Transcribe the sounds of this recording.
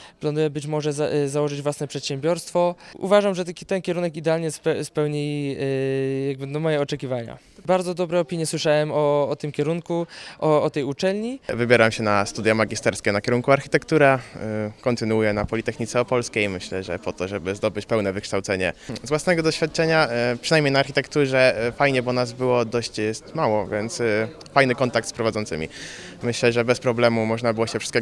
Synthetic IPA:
pland̪ujɛbɘt͡ɕmɔʐɛzzawɔʐɘd͡ʑvwasnɛpʂɛt̪ɕɛmbʲjɔɾst̪fɔʔṵvaʐamʐɛt̪ɛnkʲɛɾunɛkid̪ɛalɲɛspɛspɛwɲi | jaɡ̚bɘnɔmɔjɛɔt͡ʂɛkʲivaɲa̰ | baɾd̪zɔd̪ɔbɾɛɔpʲiɲjɛswɘʂawɛmɔːt̪ɘmkʲɛɾuŋkuʔɔːt̪ɛjut͡ʂɛlʲɲivɘbʲjeɾamɕɛnast̪ud̪jamaɡʲist̪ɛɾskʲɛnakʲɛɾuŋkuaɾxʲit̪ɛkt̪uɾakɔnt̪ɘnuujɛnapɔlʲit̪ɛxɲit̪sɛɔpɔlskʲejmɘɕlɛʐɛ̰pɔt̪ɔʐɛbɘzd̪ɔbɘt͡ɕpɛwnɛvɘkʂt̪awt̪sɛɲɛ̰zvwasnɛɡɔd̪ɔɕfʲjat̪̚t͡ʂɛɲapʂɨnajmɲejnaːɾxʲit̪ɛkt̪uʐɛfajɲɛbɔnaz̬bɘwɔd̪ɔɕt͡ɕjɛst̪mawɔvʲjɛnt̪s | fajnɘkɔnt̪ak̚t̪spɾɔvad̪ɔnt̪sɘ̰mʲḭ | mɘɕlɛʐɛbɛspɾɔblɛmumɔʐnabɘwɔɕɛfʂɨ̥stkɛ

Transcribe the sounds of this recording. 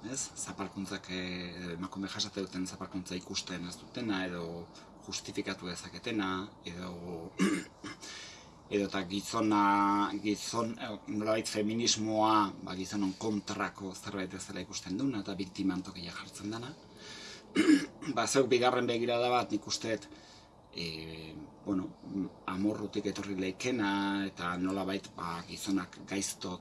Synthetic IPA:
e̞sːapalkunt͡sakeðoe̞makume̞ʝasat̪eðut̪e̞nsapalkunt͡saikust̪e̞ne̞zd̪ut̪e̞nae̞ðo̞ | ʝust̪ifikat̪uðe̞sake̞t̪e̞nae̞ðo | eðo̞t̪aɣiso̞naɡisonno̞laβajt̪fe̞minizmo̞abaɣiso̞no̞ŋko̞nt̪ɾako̞se̞ɾβajt̪be̞selʔaikust̪e̞nd̪unaet̪aβikt̪imant̪o̞kijaxaɾt͡se̞nd̪ana | basewkbiɣare̞mbe̞ɣiɾaðaβat̪nikust̪e̞t̪ | bwenoamo̞rut̪ike̞t̪o̞rilejke̞nae̞t̪ano̞laβajt̪baɡiso̞nakɡajst̪o̞

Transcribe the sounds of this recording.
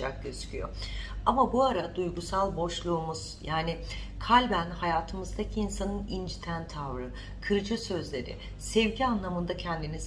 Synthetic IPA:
a̰k̚ɟøzycʰyjo̰amabuaɾad̪ujɡusalˠbo̞ʃlˠuːmuz̥jaːnɪ | kʰalʲbænhajaːt̪ʰɯmɯzd̪acʰiːnsanɯnind͡ʒit̪ʰænt̪ʰavɾɯ | kʰɯɾɯd͡ʒɯsø̞zlʲe̞ɾɪ̰ | sɛvɟianlˠamɯnd̪acʰɛnd̪iniz

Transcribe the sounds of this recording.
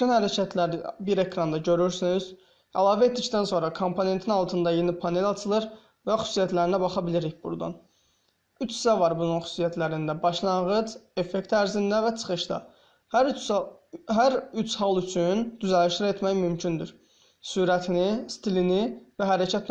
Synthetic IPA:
ynhæɾæcʰæt̪ʰlæɾibiɾe̞kɾɑnd̪ɑɟø̞ɾyɾsiniz̥ | ælˠɑːvæe̞t̪̚d̪ict̪ænso̞nɾɑkʰo̞mpʰo̞ne̞nt̪ʰinɑlˠt̪ʰɯnd̪ɑjenipʰɑne̞lɑt͡ʃ̪ʰɯlˠɯɾ | væxy̥su̥ːsijæt̪ʰlæɾinæbɑχɑbiliɾiçbṵɾd̪ɑ̰n | yt͡ʃi̥sævɑɾbununxy̥sijæt̪ʰlæɾind̪æbɑʃlˠɑŋɣɯd͡ʒe̞fe̞kt̪æɾzind̪ævæt͡ʃʰɯ̥χɯʃt̪ɑ̰ | h | ɦæɾyt͡ʃʰhɑlˠyt͡ʃʰynd̪yzæliʃlɾie̞t̪mæjmymcʰynd̪yɾ | suːɾæt̪ʰinist̪ilinivæɦæɾæcʰæt̪

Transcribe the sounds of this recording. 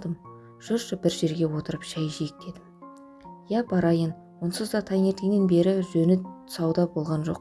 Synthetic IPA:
d̪əm | ʒ̥ʊɾʃəbɪɾʒe̞ɾɡʲe̞wo̞t̪əɾəpʒ̥æjʒijek̚d̪e̞d̪ɪm | jæbɑɾɑjən | wonsəzd̪ɑt̪ʰɑŋe̞ɾt̪eŋne̞nbe̞ɾɪʒɵnɪʊ̥sɑwd̪ɑbo̞lˠʁɑnʒo̞̰q

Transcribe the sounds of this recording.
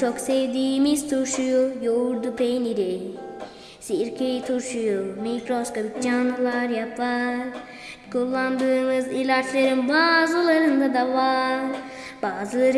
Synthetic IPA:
t͡ʃokseʋd̪imist̪ʰuɾʃujujoɾd̪upʰejniɾi | siɾkʰit̪ʰuɾʃujumikɾoskobit̚d͡ʒanɯlˠaɾjapːaɾ | kulˠːand̪ɯːmɯzilʲat͡ʃʰlˠɐɾɯnbaːzulˠɐɾɯnd̪ad̪aʋaɾ | baːzɨlˠɐɾ

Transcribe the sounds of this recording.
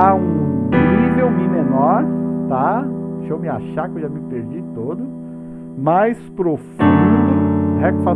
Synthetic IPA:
aũivewmĩmenɔɾt̪aʃowmɪa̰ʃakewʒamɪpeɾd͡ʒit̪od̪ʊ | majspɾofũd̪ʊhɛkfa

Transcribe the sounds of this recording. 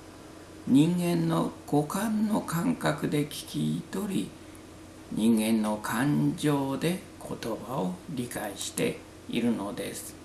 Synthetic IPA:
ɲĩŋɡẽ̞nːo̞ɡ̥o̞kãnːo̞kãŋkakɯ̟d̪e̞kʲi̥kʲit̪o̞ɾʲi | ɲʔĩŋɡẽ̞nːo̞kʰãɲd͡ʑo̞ːd̪e̞ | kʰo̞t̪o̞baoɾʲikaiɕi̥t̪e̞̰ | ḭɾɯ̟no̞d̪e̞̰sɨ̥

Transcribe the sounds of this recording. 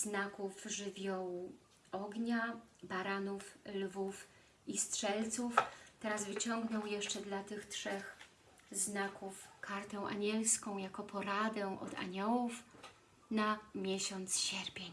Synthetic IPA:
znakufʐɘvʲjɔwu | ɔɡɲabaɾanuflvuf | istʂɛlt̪suft̪ɛɾazvɘt͡ɕɔŋɡnɔwjɛʂt͡ʂɛd̪lat̪ɘxtʂɛx | znakufkʰaɾt̪ɛw̃ʔa̰ɲɛlskɔ̃w̃jakɔpʰɔɾad̪ɛʔɔ̰d̪a̰ɲɔwuf | namʲjɛɕɔnt̪sɕɛɾpʲjeɲ

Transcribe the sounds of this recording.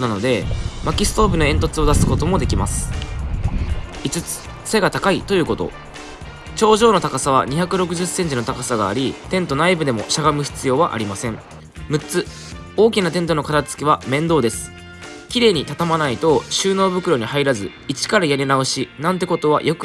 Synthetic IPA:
nano̞d̪e̞makʲisɨ̥t̪o̞ːpɯ̟no̞ẽ̞nt̪o̞t͡sɨo̞d̪asɨ̥ko̞t̪o̞mo̞d̪e̞kʲima̰sɨ̥ | it͡sɨt͡sɨ̥ | se̞ɡat̪akait̪o̞jɯ̟ːko̞t̪o̞̰ | t͡ɕo̞ːʑo̞ːno̞t̪akasaβ̞a̰ɲ̟içakɯ̟ɾo̞k̬ɯ̟ʑɨsːẽ̞ɲ̟t͡ɕino̞t̪akasaɡa̰ːɾʲit̪ẽ̞nt̪o̞naibɯ̟d̪e̞mo̞̰ɕaɡamɯ̟çi̥t͡sɨjo̞ːβaʔa̰ɾʲimasẽ̞ɴ | mɯ̟t͡sɨ | o̞ːkʲinat̪ẽ̞nt̪̬o̞no̞kat̪at͡sɨ̥kʲiβ̞amẽ̞nd̪o̞ːd̪e̞sɨ̥ | kʲiɾe̞ːɲ̟it̪at̪amanait̪o̞ɕɨːno̞ːbɯ̟kɯ̟ɾo̞ɲ̟ihaiɾazɨ | it͡ɕi̥kaɾajaɾʲinaoɕinãnt̪e̞ko̞t̪o̞β̞a̰jʔo̞k

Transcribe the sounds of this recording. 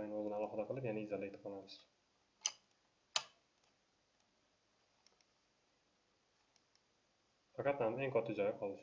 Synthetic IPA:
jɪŋozɪnɪalˠɒhɨd̪aqɨlˠɪpjanaɪzalɪe̞t̪ʰɪpɒlamɪʃ | fɑqɑt̪hame̞ŋkʰɒt̪ʰːɪd͡ʒɒjqʰɒlˠɪʃ

